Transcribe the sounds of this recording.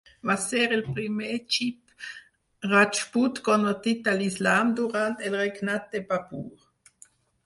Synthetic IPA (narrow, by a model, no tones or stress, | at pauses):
vasɛɾilpɾimɛt͡ʃip | ʁat͡ʃput̪kɔnot̪it̪alislaːmd̪uʁant̪elʁeknat̪̚d̪ebapuːʁ